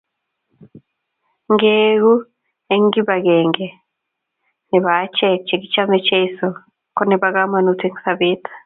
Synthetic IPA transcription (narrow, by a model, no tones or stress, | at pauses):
ŋɡeɡu | eŋɡibaɡɛŋɡɛ | nɛβat͡ʃɛk̚t͡ʃeɡit͡ʃamɛt͡ʃeisɔ | kɔnibaɡamanutiŋsabit̪ʰḁ